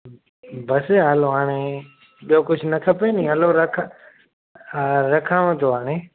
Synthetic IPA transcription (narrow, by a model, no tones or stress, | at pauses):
bəseɦaːloɦaːɽ̃e | ɓijokʊd͡ʒʱnɐkʰəpenĩːɐloɾɐkʰ | ɾɐkʰəʋə̃t̪ʰoːɦaːɽ̃eː